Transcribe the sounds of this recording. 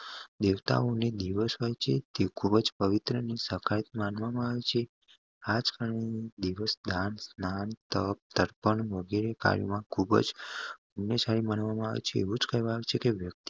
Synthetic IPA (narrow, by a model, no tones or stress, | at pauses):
d̪eʋt̪a̰oned̪iʋəsɦojt͡ʃʰet̪ekʰubəd͡ʒpəʋit̪ɾənisəkʰaɾit̪manʋamãaʋet͡ʃʰe | ad͡ʒkaɾɳenid̪iʋəsd̪ʱansnant̪əp̚t̪əɾpəɳʋəɡeɾeka̰ɾjṵmãkʰubə̰d͡ʒ | ənjəsaɾimanʋamãa̰ʋḛt͡ʃʰeːʋũd͡ʒkəɦʋãaʋet͡ʃʰekeʋjək̚t̪i